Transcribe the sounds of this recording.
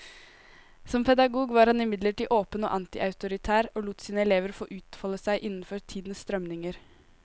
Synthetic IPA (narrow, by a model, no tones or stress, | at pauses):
sɔmpʰɛd̪ɑɡuːɡʋɑːɾhɑnɪmɪd̪ləʈiːʔoːpəno̰ːʔɑnt̪ɪʔɑʉt̪ʊɾɪt̪ʰæːɾoːluːt̪siːnəɛleːʋəɾfo̰ːʔʉːt̪fɑːləsæɪʔɪnːən̩fɔɾt̪ʰiːd̪n̩sst̪ɾœmnɪŋəɾ